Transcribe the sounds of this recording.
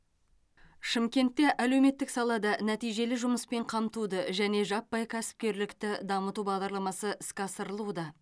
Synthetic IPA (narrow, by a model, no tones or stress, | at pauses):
ʃɪmkʲe̞nt̪ːe̞ʔælewme̞t̪ːɪksɑlˠɑd̪ɑnæt̪ijʒe̞lɪʒʊməspe̞ɴqʰɑmt̪ud̪əʒæne̞ʒɑpːɑjkʲʰæsɪ̥p̚kʲe̞ɾlɪkt̪ɪd̪ɑmət̪ubɑʁd̪ɑɾlˠɑmɑsəʔɪskʲɑsəɾəlˠud̪ɑ